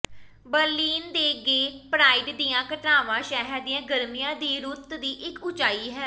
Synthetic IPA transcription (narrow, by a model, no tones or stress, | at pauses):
bəɾliːnd̪eːɡeːpɾaːiːɖd̪iːãːkəʈnaːʋãːʃɛːɦəɾd̪ijãːɡəɾmijãːd̪iːɾʊt̪d̪iːʔɪkʊt͡ʃaːiːɦɛː